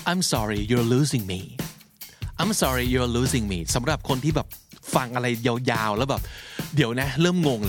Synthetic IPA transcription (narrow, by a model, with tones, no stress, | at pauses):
ʔa˧jmsɔː˦˥ɾi˨ju˨˩luː˦si˧ŋmiː˧ | ʔa˨˧jmsɔ˦˧ɾi˧ju˨˩luː˦si˧ŋmiː˧˩sa˨˩˦mɾa˨˩p̚kʰo˧nt̪ʰiː˥˩bɛː˨˩p̚fa˧ŋʔa˧ɾa˧jja˧wjaː˧wlɛː˦˥bɛː˨˩p̚diː˨˩˦əwna˦˥ɾɤː˥˩mŋo˧ŋl